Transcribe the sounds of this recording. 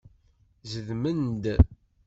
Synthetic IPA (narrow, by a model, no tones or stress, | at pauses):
zəðmənd̪